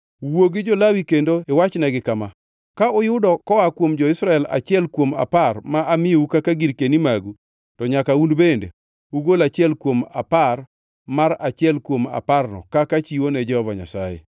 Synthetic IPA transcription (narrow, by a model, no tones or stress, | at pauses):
woɡɪd͡ʒɔlawikendoewat͡ʃnɛɡɪkama | kaʊjʊdɔkɔwakwomd͡ʒɔɪsɾaɛla̰t͡ʃɪɛlkwoma̰parmaʔamɪoukakaɡiɾkenimaɡu | tɔɲakaunbendḛ | uɡolat͡ʃɪɛlkwoma̰par | maɾat͡ʃɪɛlkwoma̰parnɔ̰kakat͡ʃiwonɛd͡ʒɛhɔvaɲa̰sajḛ